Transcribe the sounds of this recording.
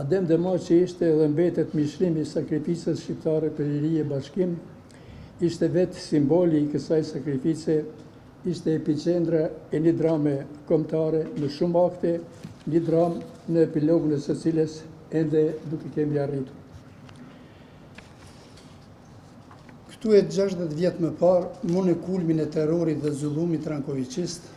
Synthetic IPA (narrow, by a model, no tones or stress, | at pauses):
ad̪ɛmd̪əmat͡ʃəiʃt̪ɛːðɛmbɛt̪ɛt̪miʃɾimisakɾifisəsʃcipt̪aɾɛpəɾliɾiɛbaʃkim | iʃt̪ɛvɛt̪simbɔlikəsajsakɾifisɛ | iʃt̪ɛːpit͡ʃɛnd̪ɾaɛnəd̪ɾamɛkɔmt̪aɾɛnəʃumakt̪ɛ | ɲəd̪ɾamnəɛpilɔɡunɛsət͡siləs | ɛnd̪ɛd̪ukɛkɛmiarit̪uɾ | kə̥t̪uɛt̪d͡ʒaʃðɛt̪vjɛt̪məpaɾmunɛkulminɛt̪ɛɾɔɾit̪ðɛzulˠumit̪ːɾaŋkɔvit͡ʃist̪